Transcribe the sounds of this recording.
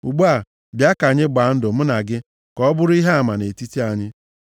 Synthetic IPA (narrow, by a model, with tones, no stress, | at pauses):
u˨ɡ͡bu˦a˨ | bja˦ka˨ɲɪ˦ɡ͡ba˨˦n̩˦dʊ˨m̩˦na˨ɡɪ˦ | kɔ˦ɔ˦bʊ˦ɾʊ˦i˦ɦe˦a˨ma˨ne˨ti˦ti˦a˨ɲɪ˦